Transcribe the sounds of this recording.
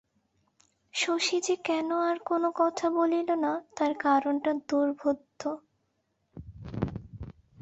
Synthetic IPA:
ʃoʃid͡ʑekɛnoaɾkonokɔt̪ʰabolilonat̪aɾkaɾonʈad̪uɾbʱud̪ʱːo

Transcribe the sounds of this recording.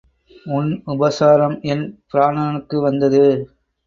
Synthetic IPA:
ʊnʊbɐsaːɾɐmɛnpɪɾaːɳaːɳɯkːɯʋɐnd̪ɐðɯ

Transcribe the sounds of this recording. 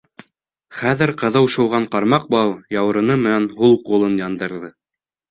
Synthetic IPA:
χæðɘɾqɤ̆ðɤwʃŏwʁɑɴqɑɾmɑq̚bɑwjɑw̆ɾɤ̆nɤmɘ̆nænhulˠqulˠɤnjɑnd̪ɤ̆ɾðɤ

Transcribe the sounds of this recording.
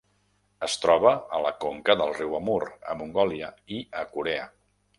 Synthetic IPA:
əst̪ɾɔβ̞əələkoŋkəðəlˠriwəmuɾə̰muŋɡɔliəiʔəkuɾɛə

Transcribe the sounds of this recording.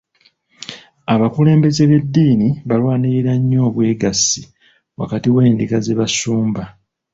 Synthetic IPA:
aβakule̞ːmbe̞ze̞βe̞dːiːniβalwaːniɾiɾaɲːo̞ːβweːɡasi | wa̰katiwe̞ːndikazeβasuːmba

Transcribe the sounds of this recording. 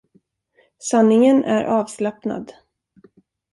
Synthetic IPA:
sanːɪŋənʔæ̰ɾʔɑːvslapna̰d̪

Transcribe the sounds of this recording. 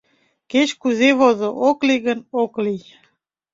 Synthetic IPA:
ket͡ɕkuzeβozoʔokliɣənoklij

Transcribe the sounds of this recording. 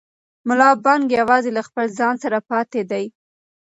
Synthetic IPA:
mʊlɑbɑŋɡjawɑzelaxpəlzɑnsaɾapɑt̪ed̪aj

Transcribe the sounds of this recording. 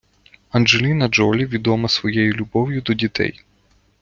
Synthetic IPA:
ɐnd͡ʒelʲinɐd͡ʒɔlʲiʋʲid̪ɔmɐsʋɔjejulʲʊbɔwjʊd̪ɔdʲit̪ʰɛ̰j

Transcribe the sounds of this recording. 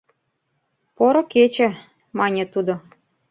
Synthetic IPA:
poɾŏket͡ɕĕ | mɑnʲĕt̪ud̪o

